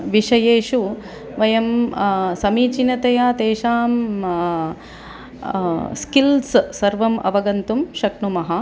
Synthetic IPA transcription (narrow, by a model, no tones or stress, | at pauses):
ʋiʂɐjeːʃu | ʋɐjɐmsɐmiːt͡ʃinɐt̪ɐjaːt̪eːʃaːm | skilssɐɾʋɐmʔɐ̰ʋɐɡɐnt̪umʃɐkɳumɐɦɐ